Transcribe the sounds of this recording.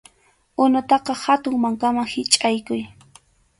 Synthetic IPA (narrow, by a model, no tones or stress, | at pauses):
ʊnʊt̪ɑqɑhat̪ʊŋmaŋkamaŋhɪt͡ʃʼajkʊj